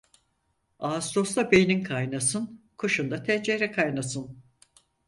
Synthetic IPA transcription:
aːst̪o̞st̪ˠabejninkʰajnasɯnkʰoʃund̪at̪ʰɛnd͡ʒeɾɛkʰajnasɯn

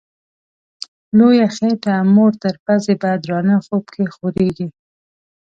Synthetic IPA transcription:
lojaxeʈamoɾt̪əɾpazebɑjad̪ɾɑnaxobkʰexoɾeɡi

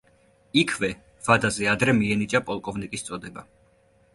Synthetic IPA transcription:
ikʰvɛ | v̥ad̪azɛad̪ɾɛmiɛnit͡ʃʼapʼɔlˠkʼɔvnikʼist̪sʼɔd̪ɛba

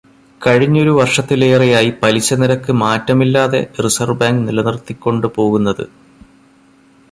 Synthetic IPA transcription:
kɐɻiɲːo̞ɾuʋɐrʂɐt̪ːileːrijaːjipɐliɕːɐniɾɐkːɨmaːtːɐmilːaːðe̞̰risɐrbaːŋɡnilɐnirt̪ikʲːo̞ɳɖɨpo̞ːɣunːɐðɨ̰

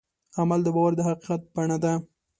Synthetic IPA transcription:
amald̪əbɑwaɾd̪əɦaqiqat̪̚b̥aɳad̪a

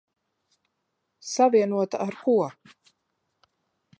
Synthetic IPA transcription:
saviɛnuɔt̪aaɾkʰuɔ

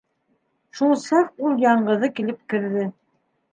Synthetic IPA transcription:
ʃulˠsɑqulˠjɑɴɢɤ̆ðɤkilɘp̚kɘ̆ɾðɘ

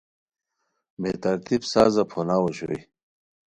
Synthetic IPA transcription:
met̪ɐɾt̪ibsaːzɐpʰonaːwoɕo̰i

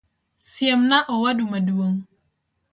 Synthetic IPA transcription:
siamnaʔɔwadumaduəŋ

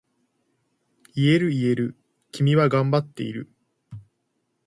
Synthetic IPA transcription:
ie̞ɾɯ̟ie̞ɾɯ̟ | kʲimʲiβaɡãmbat̪ːe̞̰ḭɾɯ̟̰

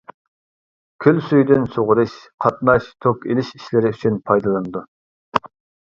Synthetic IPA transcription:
kʲʰylsyjd̪ynsoʁʊɾɨʃqʰɑt̪̚nɑʃt̪ʰokʲelɪʃi̥ʃlɪɾɪyt͡ʃʰynpʰɑjd̪ɨlˠɨnɨd̪u

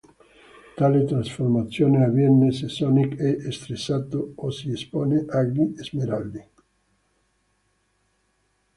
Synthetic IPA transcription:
t̪aːlet̪ɾasformat̪sːjoːneavjɛnːesesɔnikɛʔest̪ɾesːat̪oosiespoːneʔaɡniezmeɾald̪i

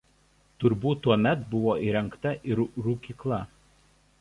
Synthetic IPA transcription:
t̪ʊɾbuːt̪ːuɔmʲɛt̪bʊʋoːʔiːɾʲɛŋˑkt̪ɐʔɪɾɾʊkʲiːklˠɐ

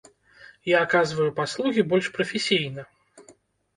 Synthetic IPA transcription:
jaːkazvɐjupaslˠuɣʲibɔlʲʂpɾɐfʲɪsʲijnɐ

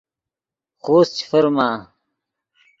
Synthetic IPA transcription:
xoːst͡ɕi̥fɐɾmaː

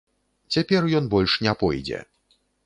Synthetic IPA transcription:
t͡sʲapʲɛrjɔnbɔlʲʂnʲɛpɔjd͡zʲɛ̰

